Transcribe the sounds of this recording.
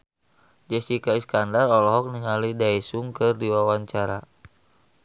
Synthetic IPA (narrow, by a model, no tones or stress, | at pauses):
d͡ʒɛsikaiskandarɔlɔɦɔk̚niŋalidaɛsuŋkɨrdiwawaɲt͡ʃaɾa̰